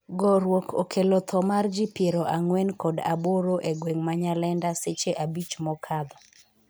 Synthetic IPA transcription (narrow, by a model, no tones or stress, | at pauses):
ɡɔɾwokʰokʰelot̪ʰɔmard͡ʒipjeɾoʔaŋwɛnkɔda̰boɾoʔeɡweŋmaɲalɛndaset͡ʃeʔabit͡ʃmɔkʰad̪ɔ